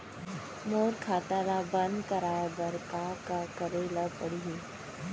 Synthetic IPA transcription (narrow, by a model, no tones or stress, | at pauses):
moːɾkʰaːt̪alabɐ̃nd̪kəɾaːjabəɾkaːkakəɾelapəɽiɦi